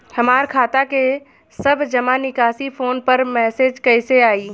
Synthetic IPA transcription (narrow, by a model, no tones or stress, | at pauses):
hɐmaːɾkʰaːt̪ake | sɐbʱd͡ʒɐmanɪkaːsifʰoːnpəɾmɛːseːd͡ʒkəɪseaːiː